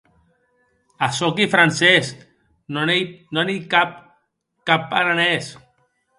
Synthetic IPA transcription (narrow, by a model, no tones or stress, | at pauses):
asokifɾansesk | noenonikap̚ | kapːaɾanes